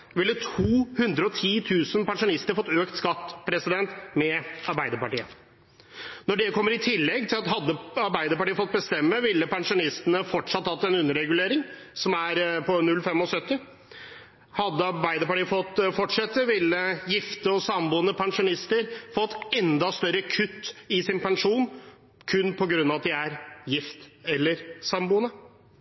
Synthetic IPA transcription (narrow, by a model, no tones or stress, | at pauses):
ʋɪlːət̪ʰuːhʉnd̪ɾəɔt̪ʰiːt̪ʰʉːsənpɛnʂʊnɪst̪əɾfɔt̪ːøːkt̪skɑt̪ːpʰɾɛsɪd̪ɛnt̪mɛɑɾbæɪd̪əɾpɑʈiːə̰ | nɔɖɛkʰɔmːəɾɪt̪ʰɪlːɛɡt̪ʰɪlɑt̪ɦɑd̪ːəɑɾbæɪd̪əɾpɑʈiːəfɔt̪̚bəst̪ɛmːəʋɪlːəpɛnʂʊnɪst̪ənəfɔʈʂɑt̪ːhɑt̪ːɛnʉnːəɾɛɡʉleːɾɪŋ | sɔmæɾpʰɔnʉlfɛmɔsœt̪ːɪ | hɑd̪ːəɑɾbæɪd̪əɾpɑʈiːfɔt̪ːfɔʈʂɛt̪ːəʋɪlːəjɪft̪əɔsɑmbuːənəpʰɛŋʂʊnɪst̪əɾfɔt̪ːɛnd̪ɑst̪œɾːəkʰʉt̪ːɪsɪnpɛnʂuːn | kʰʉnːpʰɔɡɾʉnːɑʋɑt̪d̪ɪæɾjɪft̪ɛlːəɾsɑmbuːənə